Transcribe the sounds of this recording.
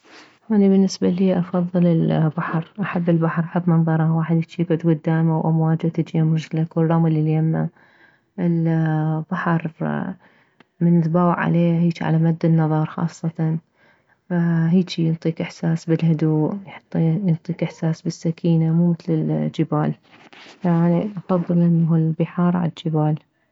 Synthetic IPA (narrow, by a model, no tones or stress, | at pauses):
haːnibɪnːɪsbaliːʔɑfɑðˤːɨlɪlbaħɾˤʔaħabːɪlbaħɾˤʔaħabːmɑnðˤɑɾˤɑwaːħɪd̪jɪt͡ʃiɡʕʊd̪ɡʊd̪ːaːmawʔamwaːd͡ʒat̪ɪt͡ʃiamʊɾʒlakrˤːɑmɪliljamːa̰ | ʔɪlb̥aħɾˤ | mɪnðbaːwʕʕa̰leːhiːt͡ʃiʕa̰lamad̪ːɪnːɑðˤɑɾˤxɑ̰ːsˤːɑt̪ɑn | aɦiːt͡ʃijɪnt̪ˤiːkʔɪħsaːsbɪlhʊd̪uːʔjħɑ̥t̪ˤːjɪnt̪ˤiːkʔɪħsaːsbɪsːakʰiːnamuːmɪθlɪld͡ʒɪbaːl | aʔaniʔɑfɑðˤːɨlʔɪnːaɦulbɪħɑːɾˤʕa̰lad͡ʒɪbaːl